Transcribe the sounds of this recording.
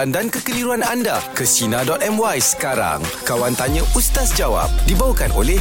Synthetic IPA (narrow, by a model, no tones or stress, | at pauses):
andankəkəliɾuanandakəsinãdɔt̪̚ɛmwajsə̥kaɾa̰ŋkawant̪aɲə̃ʔust̪asd͡ʒawa̰p̚dibawakanolɛ